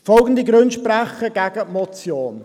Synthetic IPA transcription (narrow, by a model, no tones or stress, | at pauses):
fɔlɡən̩d̪iɡɾʉnʃpraχəɡ̥æɡəmɔt͡sjoːn